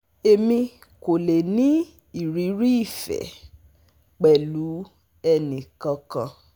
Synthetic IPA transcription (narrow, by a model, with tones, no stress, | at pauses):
e˨mĩ˧ | ko˨le˨nĩ˦ | i˦˨ɾi˨˦ɾi˦i˦˨fɛ̰˨ | k͡pɛ˨lu˨˦ | ɛ˧nĩ˨kã˧kã˧